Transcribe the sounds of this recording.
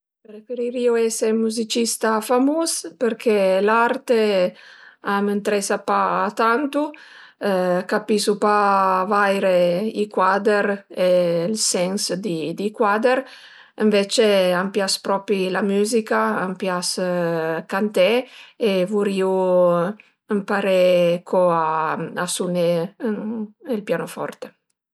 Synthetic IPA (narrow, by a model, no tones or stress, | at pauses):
pɾefeɾiɾiuɛsemuzit͡ʃist̪afamuspəɾkʰelaɾt̪e | amənt̪ɾɛsapaːt̪ant̪u | kapisupavajɾeikwad̪eɾelsɛnsd̪id̪ikwad̪eɾ | əɱvet͡ʃeampjaspɾɔpɾilamyːzikaampjas | kant̪ɛevuɾiu | əmpaɾɛkʰɔaasunɛ | elpjanofɔ̰ɾt̪e